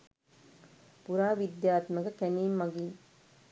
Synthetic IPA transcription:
puɾaːʋid̪jaːt̪məɡəkæniːmːɐɡiː

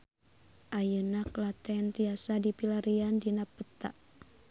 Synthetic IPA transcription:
ʔajənaklat̪ɛnt̪iasadipilaɾiandinapːət̪a̰ʔ

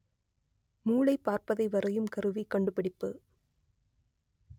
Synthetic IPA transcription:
muːɭɐɪpːaːɾpɐðɐɪʋɐɾɐjɯmkɐɾɯʋikɐɳɖɯpɪɽɪpːɯ

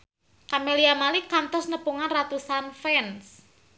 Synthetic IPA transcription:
kameliamalikant̪ɔsnəpuŋanrat̪usanfɛns

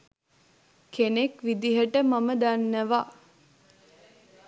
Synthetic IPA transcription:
kenekʋid̪iɦəʈəmaməd̪anːəʋa

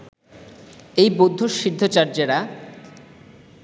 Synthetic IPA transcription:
ejbod̪ʱːoʃiɾd̪ʱot͡ɕaɾd͡ʑeɾa

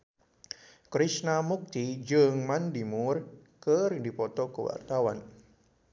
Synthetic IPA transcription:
kɾisnamuk̚t̪id͡ʒɨŋmandimurkərdipɔt̪ɔkəwa̰rt̪awan

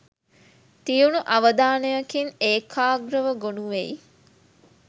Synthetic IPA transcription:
t̪ijunuʔɐʋəd̪aːnəjɐkineːkʰaːɡɾəʋəɡonuʋḛj

